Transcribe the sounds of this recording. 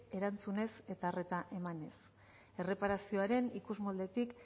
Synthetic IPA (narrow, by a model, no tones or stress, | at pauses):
e̞ɾant͡sune̞se̞t̪aːre̞t̪aʔe̞mane̞s | e̞re̞paɾasio̞aɾe̞nikuzmold̪e̞t̪ik